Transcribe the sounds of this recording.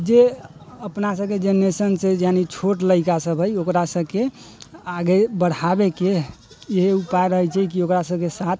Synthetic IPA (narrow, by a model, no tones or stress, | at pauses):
d͡ʒeəpnasəb̚ked͡ʒenesənsed͡ʒjanit͡ʃʰoʈləɪkasəbʱəjokɾasəbke | aɡebəɽ̤abeke | jeɦeupajɾəɦət͡ʃʰɛkiokɾasəbkesat̪ʰ